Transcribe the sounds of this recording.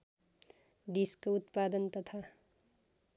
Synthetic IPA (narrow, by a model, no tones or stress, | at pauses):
ɖiskout̪pad̪ʌnt̪ʌt̪ʰa